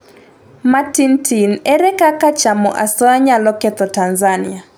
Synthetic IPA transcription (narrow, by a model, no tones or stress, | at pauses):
matintʰinɛɾɛkakat͡ʃamɔ̰ʔasɔaɲalɔkɛt̪ɔtanzanɪ̰a